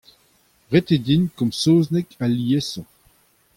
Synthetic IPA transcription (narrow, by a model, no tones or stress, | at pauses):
ʁet̪edinkɔ̃msoːznɛkaliesɑ̃